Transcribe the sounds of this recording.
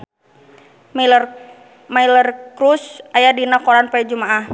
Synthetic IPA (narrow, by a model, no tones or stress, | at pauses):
mailərkɾusʔajadinakɔɾanpad͡ʒumaʔah